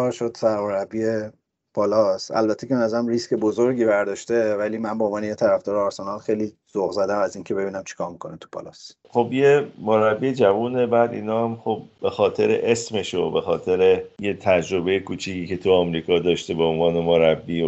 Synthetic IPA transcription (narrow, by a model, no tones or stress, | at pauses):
ɒːɾʃod̪̥væmoɾæbːie | pʰɒːlɒsæ̰lbæt̪ʰːecebenæzæɾæmrisce̞bozoɾɟiːbæɾd̪ɒːʃt̪e̞væliːmænbeonvɒːnejet̪ʰæɾæfd̪ɒːɾeɒɾsenɒlxejliːz̥oɣzæd̪æmæziːŋcʰe̞be̞biːnæmt͡ʃʰi̥kʰɒːɾmikʰonet̪ʰu̥pʰɒ̰ːlɒ̰s | χobjemoɾæbːiːed͡ʒævuːnebæːd̪iːnɒːhæmχobːexɒːt̪ʰe̞ɾḛʔesmeʃobe̞xɒːt̪ʰe̞ɾejet̪ʰæd͡ʒɾobe̞jekʰuːt͡ʃʰiːciːce̞t̪ʰuɒmɾiːkʰɒːd̪ɒːʃt̪ebeonvɒːnemoɾæbːiː